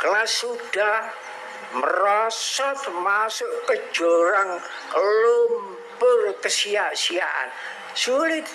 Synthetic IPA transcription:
kəlasuɖ̥ah | məɾɔsɔt̪masʊʔkə̥ʒ̥oɾaŋ | kəlum | pʊrkəsijaʔsijaʔa̰n | sulɪt̪̚

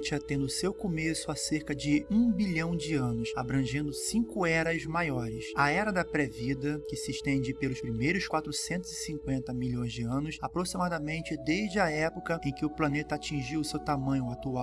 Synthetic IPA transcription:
t͡ʃɪat̪ẽnd̪ʊsewkomesʊaseɾkɐd͡ʒɪũbiʎɐ̃w̃d͡ʒɪɐ̃nʊsabɾɐ̃ʒẽnd̪ʊsĩŋkʊɛɾɐzmajɔɾɪsɐɛɾɐd̪ɐpɾɛvid̪ɐkɪsɪːʃt̪ẽnd͡ʒɪpelʊʃpɾimejɾʊskwat̪ɾʊsẽnt̪ʊzɪsĩkwẽnt̪ɐmiʎõj̃zd͡ʒɪɐ̃nʊsapɾosimad̪ɐmẽnt͡ʃɪd̪eʒd͡ʒɪɐɛpokɐẽj̃kɪʊplɐ̃net̪ɐːt͡ʃĩʒiwʊsewt̪amɐ̃ɲʊat̪uaw

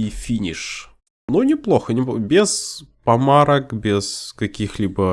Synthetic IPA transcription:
ifʲinʲɪ̰ʂ | nunʲɪplˠoxənʲɪbʲɪz̥pɐmaɾəkbʲɪz̥kɐkʲixlʲibə

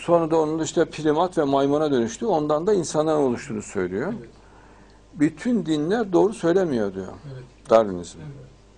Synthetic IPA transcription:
so̞nɾud̪aonund̪aiʃt̪ʰɛpʰiɾimat̪vɛmajmonad̪ø̞nyʃt̪ʰyo̞nd̪and̪ainsanˠaɾɯno̞lˠuʃt̪ʰuːnusø̞̰jlʲijo | byt̪ʰynd̪inlʲæɾd̪o̞ːɾusø̞jlʲemijo̞d̪ujo̰ | d̪̥alʲinizmi

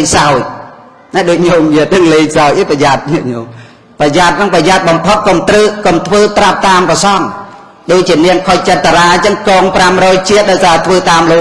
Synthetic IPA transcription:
saɔc̚ | naɛɗoːc̚ɲoːmɲiət̪̚ɗɨŋleːɲsaɔc̚ʔepɑjaːt̪̚nɛ̆əʔɲoːm | prɑjaːt̪̚nɨŋpɑjat̪̚ɓɑmpʰot̪̚komt̪rɨːkomt̪ʰʋəːt̪rap̚t̪aːmpɑsɑm | ɗoːc̚t͡ɕiəniəŋkʰoc̚t͡ɕət̪ːalaːt͡ɕɨŋkɔːŋpramrɔːjt͡ɕiəɗaɔjsaːt̪ʰʋəːt̪aːmloː

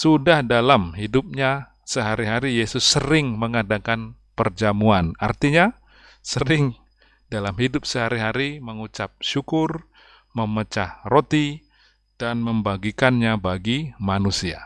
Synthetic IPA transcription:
sudahdalamɦidʊp̚ɲa | səɦaɾiɦaɾijesʊsːəɾɪŋməŋadakan | pərd͡ʒamuana̰rt̪iɲa | səɾɪŋ | dalamɦidʊp̚səɦaɾiɦaɾiməŋut͡ʃap̚ʃukʊr | məmət͡ʃahrot̪i | d̥anməmbaɡikanɲabaɡimanusia̰

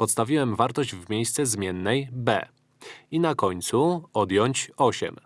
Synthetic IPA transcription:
pɔt̪st̪avʲiwɛmvaɾt̪ɔʑd͡ʑvmʲjejst̪sɛzmʲjɛnːɛjbɛ̰ | inakɔɲt̪suɔd̪jɔɲt͡ɕɔɕɛ̰m

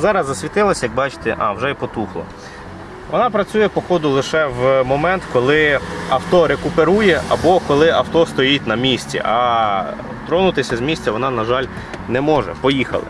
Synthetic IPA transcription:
zɑɾɐzːɐsʲʋʲit̪ɪlˠɐsʲɐjɐɡ̚bɑt͡ʃɪ̥t̪ɛʔɑwʒɛpɔt̪uxlˠɔ̰ | ʋɔnɑpɾɐt͡sʲujɛpɔxɔd̪ʊlˠɪʃɛʋmɔmɛnt̪kɔlˠɪɐwt̪ɔɾekʊpeɾujɛɐ̰bɔkɔlˠɪɐwt̪ɔst̪ɔjitʲnɐmʲisʲt͡sʲḭʔɐ | t̪ɾɔnʊt̪ɪsʲɐzmʲisʲt͡sʲɐʋɔnɑnɐʒɑlʲ | nɛmɔʒɛ̰pɔjixɐ̰lˠɪ̰

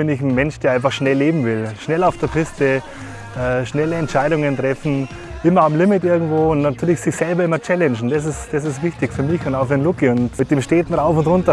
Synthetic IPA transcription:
b̥ɪnɪçn̩mɛnʃd̥eːɐaɪnfaxʃnɛlːeːbm̩vɪlʃnɛlaʊfd̥eːɐpʰɪstə | ʔɛʃnɛləɛntt͡ʃaɪɾʊŋəntʁ̥ɛfn̩ | ʔɪmɐamlɪmɪtʔɪɐɡŋ̩tvoːʊntnatʰyːɐlɪçsɪçsɛlbɐɪmɐt͡ʃɛlɛnd͡ʒn̩dɛs̬ɪstd̥as̬ɪstvɪçtɪçfyːɐmɪçʊndaʊfɪnlʊkiʊntmɪt̚d̥eːmʃteːtn̩ʁaʊfʊntʁʊntɐ

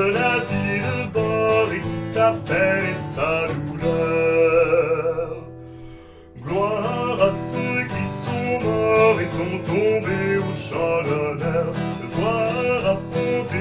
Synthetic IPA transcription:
laviləd̪ɔʁeksapɛsalulœ | ʁ | ɡlwaʁasəkʲisɔ̃mɔʁesɔ̃t̪ɔ̃beoʃɑ̃lənœʁəɡlwaʁapɔpe

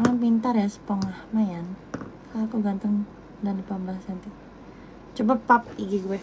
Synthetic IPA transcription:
aŋanpint̪arjasə̥pɔŋahmajankaakuɡant̪əŋ | danipablasant̪i | t͡ʃobapapiɡiɡue

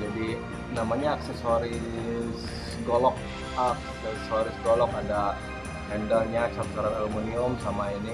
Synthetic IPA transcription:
d͡ʒadi | namaɲaːksɛsoɾi | s | ɡolɔk̚ | akssɛsoɾɪsɡɔlɔkada | ɛndaŋɲat͡ʃap̚saɾanalumoniʊmsamaini

